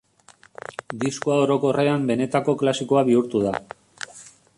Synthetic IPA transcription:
d̪iskoao̞ɾo̞ko̞re̞ambe̞ne̞t̪ako̞klasiko̞aβiuɾt̪uða

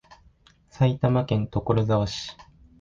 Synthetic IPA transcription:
sait̪amakẽ̞nt̪o̞koɾozaβaɕi̥

